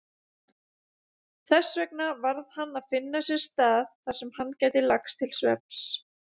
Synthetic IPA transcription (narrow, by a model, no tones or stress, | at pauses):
θɛsvɛknavaɾðhanːaðfɪnːasjɛɾ̥st̪aːðθaɾ̥sɛmhanːcaːjt̪ɪlakst̪ʰɪlsvɛp̚s